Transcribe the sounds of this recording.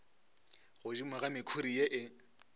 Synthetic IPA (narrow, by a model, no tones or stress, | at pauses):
ɣʊd͡ʒimaɣamɪkʰuɾijeʔɪ